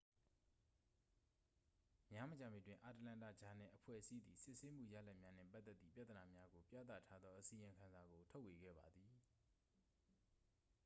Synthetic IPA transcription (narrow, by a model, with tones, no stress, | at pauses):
mja˦˨mə˨t͡ɕã˨mi˨twɪ̃˨ʔa˨təlã˦˨ntä̰˦˨d͡ʑa˨n̥ɪ̰̃˦˨ʔəpʰwɛ̰˦˨ʔəsi˦d̪i˨sɪ˦ʔse˦m̥ṵ˦˨ja̰˦˨lɛ˦ʔmja˦n̥ɛ̰̃˦˨pa˦t̪ːɛ˦t̪ːḭ˦˨pja˦˨t̪əna˨mja˦ɡo˨pjä̰˦˨t̪ä̰˦˨tʰa˦d̪ðɔ˦ʔəsi˨ɪ̃˨ŋkʰã˨nza˨ɡo˨tʰo˦ʊwe˨ɡɛ̰˦˨ba˨d̪ði˨